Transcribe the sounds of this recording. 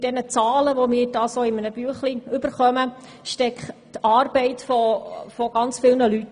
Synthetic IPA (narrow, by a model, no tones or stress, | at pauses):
d̥ɛnət͡sɑːləʋomɪːɾdɑːsoːɪmənəb̥yəχliʏbəɾχœmə | ʃtɛkχtɑːɾbɛɪtfɔfɔɡ̥ɑnt͡sfɪlnəlyt